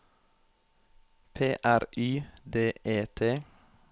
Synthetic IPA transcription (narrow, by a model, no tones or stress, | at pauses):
pʰeːʔæɾʔyːd̪eːʔeːt̪ʰeː